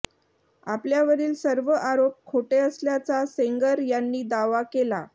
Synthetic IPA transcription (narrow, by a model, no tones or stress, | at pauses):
a̰pljaʋəɾiːlsəɾʋəʔaɾop̚kʰːoʈeəsljat͡saseŋɡəɾjanːiːd̪aʋakela